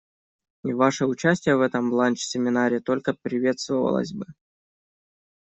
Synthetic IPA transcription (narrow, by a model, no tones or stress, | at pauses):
ɪvaʂɨʊt͡ɕæsʲtʲɪjəvɛt̪əmblˠanʲt͡ɕsʲɪmʲɪnaɾʲɪt̪o̞lʲkəpɾʲɪvʲe̞t̪st̪vəvə̰lˠə̰sʲbɨ